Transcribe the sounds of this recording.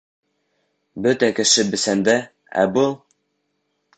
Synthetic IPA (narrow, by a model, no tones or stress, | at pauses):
bɵt̪ækɘ̆ʃɘbɘ̆sænd̪æ | æ̰bɤlˠ